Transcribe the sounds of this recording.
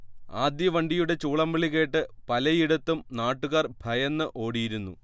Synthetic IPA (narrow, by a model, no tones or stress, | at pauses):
aːd̪jɐʋɐɳɖijuɽe̞t͡ɕuːɭɐmbiɭiɣe̞ːʈːɨpɐlɐjiɽɐt̪ːumnaːʈːuɣaːrbʱɐjɐnːɨʔo̞ːɽijiɾunːṵ